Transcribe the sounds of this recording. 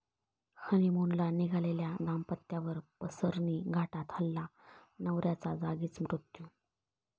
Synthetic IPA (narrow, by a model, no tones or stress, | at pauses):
hʰəniːmonlaniɡʱaleljad̪ampət̪ːjaʋəɾpəsəɾniːɡʱaʈat̪ʰəlːanəʋɾjat͡sad͡zaɡiːt͡smɾut̪ju